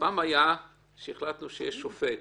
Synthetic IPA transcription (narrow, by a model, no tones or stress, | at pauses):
paːmaja | ʃeeχlat̪nuʃejeʃːofet